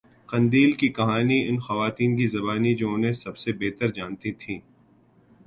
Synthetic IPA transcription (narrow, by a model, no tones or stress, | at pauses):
qɐ̃nd̪iːlkikɐɦaːniɪnxɐʋaːt̪iːnk̬izɐbaːnid͡ʒõʊnẽsɐbsebeːt̪əɾd͡ʒaːnt̪it̪ʰĩː